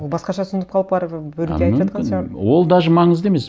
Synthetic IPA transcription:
olˠbɑsqɑʃɑsənd̪əpqʰɑlˠəpbɑɾbɵɾueɑj̪pʒɑt̪qɑsɑwo̞lˠd̪ɑʒəmɑɴəzd̪eme̞s

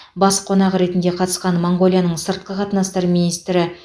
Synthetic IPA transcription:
bɑsqʰonɑʁɾe̞t̪ɪnd̪eqʰɑt̪ə̥sqɑnmoŋɡo̞lʲjanəɴsəɾt̪̚qəqʰɑt̪ənɑst̪ɑɾminijst̪ɾɪ

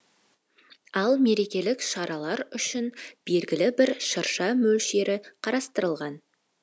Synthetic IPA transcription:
ɑlˠme̞ɾe̞kʲe̞lɪkʃɑɾɑlˠɑɾʏʃɪnb̥e̞lɡʲɪlɪbɪɾʃəɾʃɑmɵlʃe̞ɾʔɪqʰɑɾɑst̪əɾəlˠʁɑn

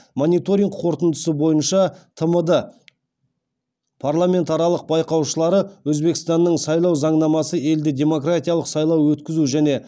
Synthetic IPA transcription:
monijt̪o̞ɾiŋɡqʰo̞ɾt̪ənd̪əsəbo̞jənʃɑt̪ʰəməd̪ə | pʰarlˠamʲe̞nt̪ɑɾɑlˠəq̚bɑjqɑwʃəlˠɑɾəwɵzbe̞kʲɪ̥st̪ɑnːəɴsɑjlˠɑwzɑɴnɑmɑsəe̞ld̪ɪd̪ʲe̞mo̞krat̪ijɑlˠəqsɑjlˠɑwwɵt̪kʲɪzuʒæne̞

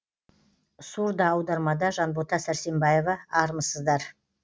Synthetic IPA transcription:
suɾd̪ɑːwd̪ɑɾmɑd̪ɑʒɑnbo̞t̪ɑsæɾse̞mbɑje̞vɑɑɾməsəzd̪ɑɾ

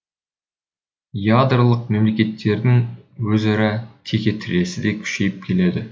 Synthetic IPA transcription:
jad̪rlˠəq̚me̞mle̞kʲe̞t̪ʰːe̞ɾd̪ɪŋwɵzɑɾɑt̪ʰe̞kʲe̞t̪ʰɪɾe̞sɪd̪e̞kʲʰʏ̥ʃe̞jɪp̚kʲʰe̞le̞d̪ɪ

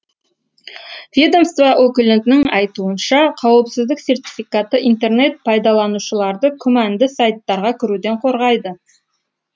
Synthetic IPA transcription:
vʲed̪o̞mst̪vaʔɵkʲɪlʲɪnt̪nɪŋɑjt̪uənʃɑqʰɑwəpsɪzd̪ɪkse̞rt̪ʲifijkat̪əʔint̪e̞rne̞t̪̚pʰɑjd̪ɑlˠɑnuʃəlˠɑɾd̪əkʲʰɵmænd̪ɪsɑjt̪ːɑɾʁɑkʲʰɪɾud̪e̞ɴqʰo̞ɾʁɑjd̪ə

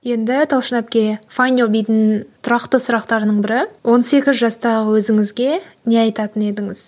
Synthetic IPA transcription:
je̞nd̪ɪt̪ʰɑlˠʃənɑp̚kʲe̞fajnobijt̪ɪnt̪ʰʊɾɑqt̪əsʊɾɑqt̪ɑɾnəɴbɪɾɪwʔo̞nse̞kʲɪzʒɑst̪ɑʁəwɵzɪŋɪzɡʲe̞ne̞ɑjt̪ɑt̪əne̞d̪ɪŋɪz

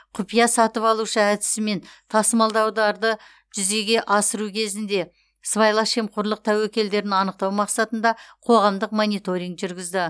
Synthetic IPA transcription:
qʰʊpijɑsɑt̪əpɑlˠuʃəæd̪ɪ̥sɪme̞nt̪ʰɑsmɑlˠd̪ɑwd̪ɑɾd̪ə | ʒ̥ʏze̞ɡʲe̞ʔɑsəɾukʲʰe̞zɪnd̪e̞ | svɑjlˠɑʃemqʰʊɾlˠəq̚t̪ʰæwekʲe̞ld̪e̞ɾɪnɑnəq̚t̪ɑwmɑqsɑt̪ənd̪ɑqʰo̞ʁɑmd̪əqmonijt̪o̞ɾʲijŋkʒʏɾɡʲɪzd̪ɪ

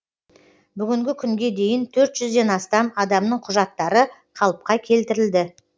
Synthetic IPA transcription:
bʏɡʲɪŋɡʲɪkʲʰʏŋɡʲe̞d̪e̞jɪnt̪ʰɵɾt̪ʒ̥ʏzd̪e̞nɑst̪ɑmɑd̪ɑmnəɴqʰʊʒɑt̪ːɑɾəqʰɑlˠəp̚qɑkʲʰe̞lt̪ɪɾɪld̪ɪ

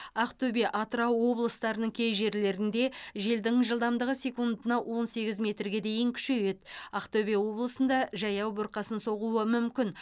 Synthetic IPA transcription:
ɑqt̪ʰɵbe̞ʔɑt̪ɾɑwːo̞blˠəst̪ɑɾənəɴkʲʰe̞jʒe̞ɾle̞ɾɪnd̪e̞ʒe̞ld̪ɪŋʒəlˠd̪ɑmd̪əʁəse̞kund̪ənɑwʔo̞nse̞ɡʲɪzmʲe̞t̪rɡʲe̞d̪e̞jɪŋkʲʰʏ̥ʃe̞je̞t̪ɑqt̪ʰɵbe̞wo̞blˠəsənd̪ɑʒɑjɑwbʊɾqɑsənso̞ʁuwəmʏmkʲɪn

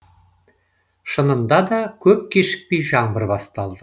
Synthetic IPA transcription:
ʃənənd̪ɑd̪ɑkʲʰɵp̚kʲeʃɪ̥k̚pejʒɑɴbəɾbɑst̪ɑlˠd̪ə

